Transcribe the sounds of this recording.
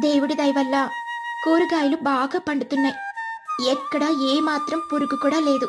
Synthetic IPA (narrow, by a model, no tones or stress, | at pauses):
d̪eːʋɪɽɯd̪ɐɪʋɐlːãːkoːɾɯɣaːjɪlɯmbaːɣɐpːɐɳɖɯt̪ːɯnːɐɪɛkːɐɽaːeːmaːt̪ɾɐmpʊɾɯkːɯkːuːɽaleːðɯ